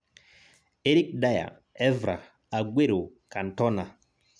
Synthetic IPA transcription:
e˦ɾi˦k̚da˦ja̰˨ | ɛ˦vɾa̰˨ | a˨ɡʷwe˦ɾo˨ka˨n˨tɔ˦na˨

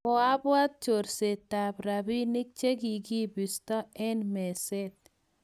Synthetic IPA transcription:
ɔ˨a˦bwa˦t̪̚t͡ʃo˨ɾse˨t̪a˨bɾa˨bi˦ni˦k̚t͡ʃe˦ɡi˨ɡi˦bi˨st̪ɔ˦ɛ˦nme˨se˦t̪̚

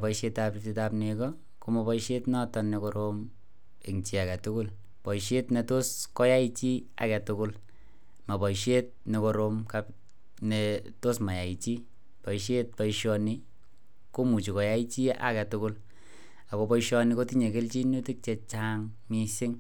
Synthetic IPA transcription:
pɔ˨iʃe˧tapiti˧tapne˧kɔ˦ | ko˦mɔ˨pɔ˦ʃe˦tnɔ˦tɔ˦nːe˨ko˦ɾom | e˨kŋt͡ʃi˨a˨ka˨tʊ˦kʊ˦l | pɔ˨ʃe˦tne˧to˦skɔ˦ja˦i˦t͡ʃi˦a̰˨kɛ˨tʊ˦kʊ˦l | ma˨pɔ˨jʃe˦t̚neko˨ɾomkap | ne | to˦sma˨ja˨i˨t͡ʃi˦ | pɔ˨iʃe˦t̚pɔ˦iʃɔni˦ | ko˦mu˨t͡ʃi˨kɔ˨ja˦i˦t͡ʃi˦ʔa̰˦kɛ˨tʊ˦kʊ˦l | a˨ko˨pɔ˦iʃɔ˧ni˦ko˦ti˦ɲe˨ke˦lt͡ʃi˦nu˦ti˦k̚t͡ʃe˧t͡ʃaŋ | mi˧sɪ˦ŋ

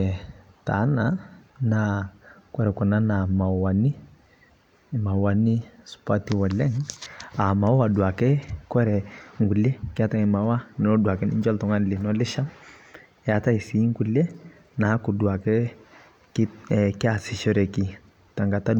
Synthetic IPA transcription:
ta̰˨˦na˨na˦kwɛ˦ɾɛ˨ku˨na˦na˨ma˨wa˨ni˦˨ | ma˨wa˨ni˦su̥˨pa˦ti˨wa˨lɛ˦ŋa˨ma˨˦a˨dwa˨kɛ˦kɛ˦ɾɛ˨ŋɡu˨le˦kɪ˦a˦ta˦ŋi˨ma˨wa˦nɔ˦du˨a˨kɛ˦ni˦ɲd͡ʒɔ˦ltɔ˨ŋa˦nli˨nɔ˦lɪ˦ʃa˦m | ja˨ta˦i˨si˨˦ŋ˦ɡu˨le˦ | na˨˦ku˨du˨a˨kɛ˦ | ki˦ki˦a˨si˨ʃɔ˦ɾɛ˨ki˨ | ta˨ŋɡa˨ta˦

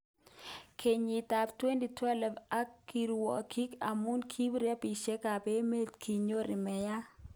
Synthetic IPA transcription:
kʰe˨ɲi˨t̪a˨ptwe˦ndi˨twɛ˦lɛ˨ba˦kːi˨ɾwɔ̰˨kʰi˦ka˨mu˦nkʰi˦bɾjɛ˦pi˨ʃe˦ka˨be˦me˦tkʰi˨ɲo˦ɾɪ˨mɛ˨ja˦

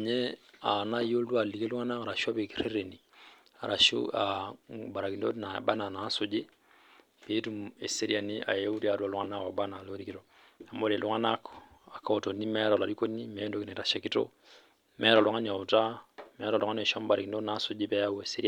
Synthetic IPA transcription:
ɲɛ˦a˨na˦jo˦ldu˦a˨li˨ke˦lu˦ŋa˦na˦ŋa˨ɾa˨ʃu˦a˦be˨ki˨ɾe˦ɾe˨ni˨ | a̰˨ɾa˨ʃṵ˦aba˨ɾa˨ki˨ndo˦na˨ba˦na˨na˨˦so˨d͡ʒi˦ | be˦tu˨mɛ˨se˦ɾi˦a˨ni˦ʔa̰˨je˦u˦ɾi˦a˨du˦a˨lu˦ŋa˦na˦ka˨ba˦na˨lo˦ɾi˦ki˦ɾo˨ | a˨mbɔ˦ɾe˨lu˦ŋa˦na˦ka˨ka˦ɔ˨to˨nːi˦mɛ˦ɾa˨la˨ɾi˦ko˦nːi˦mɛ˨˦ndo˦ki˨nɛ˨ɾa˨ʃa˨ki˦to̰˦ | mɛ˦ɾa˨la˨ŋa˦ɲ˨a˨ta˦mɛ˨˦ɾa˨lɔ˨ŋa˦ɛ˨ʃa˦m˦ba˨ɾa˨ki˨ndo˦na˨˦so˦d͡ʒi˦pɛ˦ja˦we˨se˦ɾi˦

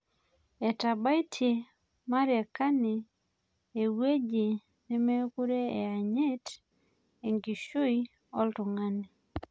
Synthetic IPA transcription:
e˨ta˨ba˦i˦tʰje˨ | ma˦ɾjɛ˨ka˦ne˨ | e˨we˦d͡ʒe˨ | ne˦me˦ku˦ɾe˦e˨a˨ɲe˦t | e˨ŋɡi˨ʃu˦i | ɔ˦ltʊ˨ŋa˦ne˨

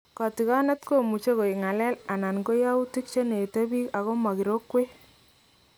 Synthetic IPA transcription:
kɑ˨ti˨ka˦ne˦tko˦mu˨t͡ʃe˦ko˨i˨ŋa˨lɛ˦la˨na˨nko˦ja˦u˦ti˦k̚t͡ʃe˦ne˨te˦bi˦ka˨ɣo˦ma˨ki˨ɾo˦kːwe˦

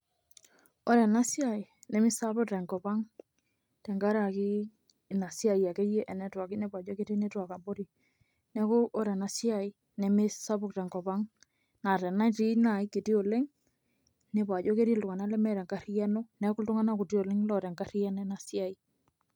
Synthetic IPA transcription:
o˦ɾɛ˨na˦sja˨i˨nɛ˨mi˦sa˦bʊ˦ktɛ˨ŋɡɔ˨ba˦ŋ | tɛ˨ŋɡa˦ɾa˨ki˦˨ | na˨sja˨i˨a˨ke˦je˦ʔɛ˨nɛ˨twa˨ki˦ne˦pa˨d͡ʒo˦ke˦ɾi˦ne˦twa˨ka˨mbo˦ɾi˨ | nɛ˦ko˦ʔo˦ɾɛ˨na˨sja˨i˦ | nɛ˨mi˦sa˦bʊ˦k̚tɛ˨ŋɡɔ˨ba˦ŋ | na˨tɛ˨na˦ti˦na˨i˦ki˨ti˦o˨le˦ŋ | ne˨pa˨d͡ʒo˦ke˦ɾi˦ltʊ˨ŋa˨na˦lɛ˦mɛ˨ɾɛ˨ŋɡa˦ɾi˦a˦no˦nɛ˦ku˦ltu˦ŋa˦na˦ku˨ti˦o˨le˦ŋlɔ˨ɾɛ˨ŋɡa˦ɾi˦a˦nɛ˦na˨sja˨i˦

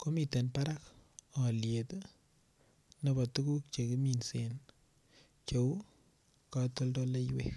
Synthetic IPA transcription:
ko˦mi˨te˨npa˦ɾa˦kɔ˨ljet | ne˦ba˨tu˦ku˦k̚t͡ʃe˨ki˦minse˨n | t͡ʃo˨u˦ | ka˨to˦ldɔ˦le˦jwḛ˦

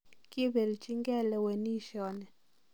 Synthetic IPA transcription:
ki˦bɛ˨lt͡ʃi˦ŋɡɛ˦˨lɛ˨we˨ni˦ʃɔ˨nɛ˨

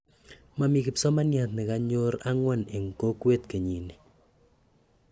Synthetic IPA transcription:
ma˨mi˨kɪ˨psɔ˦ma˦nja˨t̪̚nɪ˨ka˦ɲo˦ɾa˦ŋwɔ˦ne˨ŋ˨ko˦kwe˦t̪ke˨ɲi˨ni˨

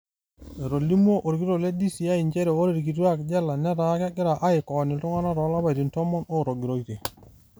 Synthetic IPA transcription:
e˨ɾo˨li˦mu˦o˦ʔo˨ɾɡi˦ɾo˦˨le˦di˦si˨a˦i˨ɲd͡ʒɛ˦ɾɛ˨o˦ɾe˦˨ɾki˨t̬u˦a˦˨kd͡ʒa˦la˨nɛ˦ɾa˨˦ka˦ɡɪ˦ɾa˨ʔa˦i˨kɔ˨ni˨tɔ˦ŋa˦na˦ɾɔ˨˦la˦ba˨ti˨ntɔ˦mɔ˦no˦ɾo˨ɡi˨ɾo˦˨i˦te˨

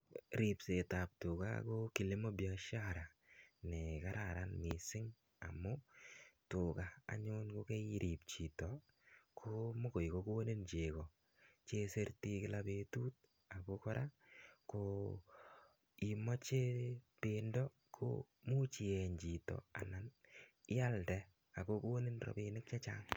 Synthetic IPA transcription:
ɾi˨pse˨ta˨p̚tʊ˨ka̰koki˨le˦mo˦bja˨ʃaɾa˨ | nɛkaɾaɾanmɪ˨sɪ˦ŋ | a̰˨mʊtʊ˨ka̰ː˨ɲʊnko˦kɛ˦ɾʔi˨p̚t͡ʃi˨tɔ | kʰomo˦ko˨jkoko˦o˦ne˦nt͡ʃe˨kɔ˨ | t͡ʃe˦se˦rti˦kɪlape˦tu˦t̚ | a˨ko˦kɔ˦ɾʔako | i˨mɔ˦t͡ʃe˦pendɔ˦ | kʰo̰ | mu˦t͡ʃi˨ɛ˨ɲd͡ʒi˨tɔ̰˨a̰˨na˨nɪ˦a˦ldɛ˨ | a˨ko˦ko˦ni˦nrɔ̰˨pi˦nɪ˦k̚t͡ʃa˦t͡ʃa˦ŋ

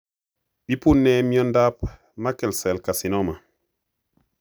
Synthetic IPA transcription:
ɗi˦pu˦nːɛ˦mi˦ɔ˦nda˦p | ma˦kɛ˨lsɛ˨lka˨si˨nɔ˦ma˨

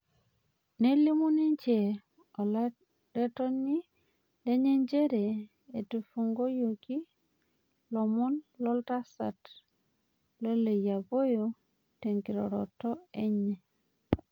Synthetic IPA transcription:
ne˦li˦mu˦ni˦ɲt͡ʃe˨ | ɔ˨l | ɾe˦tɔ˦ɲi˦ | le˦ɲe˦ɲd͡ʒe˦ɾe˨ | e˨tu˨fu˨ŋɡo˦jo˨ki˦ | lɔ˨mɔ˦nlɔ˦lta˦sa̰˨t | lo˦le˨ja˨bo˦jo˦ | te˨ŋki˨ɾɔ̰˨ɾɔ̰˨tɔ˦e˦ɲɛ˨

